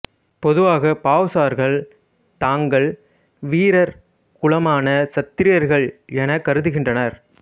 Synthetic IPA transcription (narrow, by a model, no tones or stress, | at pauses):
pɔðɯʋaːɣɐpaːʋsaːɾɣɐɭ | t̪aːŋɡɐɭ | ʋiːɾɐɾ | kʊɭɐmaːnɐsɐt̪ːɪɾɪjɐɾɣɐɭɛnɐkːɐɾɯðɯɣɪndrɐnɐɾ